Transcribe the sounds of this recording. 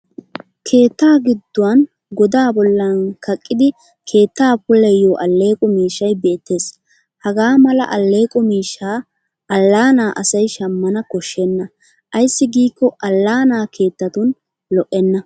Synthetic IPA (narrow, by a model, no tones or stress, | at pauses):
kʰe̞ːt̪ːaːɡɪd̪ːʊwɐn | ɡɔd̪aːbɔlːɐnkɐkʼːɪd̪ɪ | kʰe̞ːt̪ːaːpʊlɛjoːʔɐlːe̞ːkʼɔmiːʃːɐjbeːt̪ːe̞ːs | hɐɡaːmɐlɐ̰ʔɐlːe̞ːkʼɔmiːʃːaː | ɐlːaːnaːʔɐsɐjʃɐmːɐnɐkɔʃːɛnːɐ | ʔɐjsːɪɡiːkːɔʔɐlːaːnaːkʰe̞ːt̪ːɐt̪ʊn | lɔʔːɛnːɐ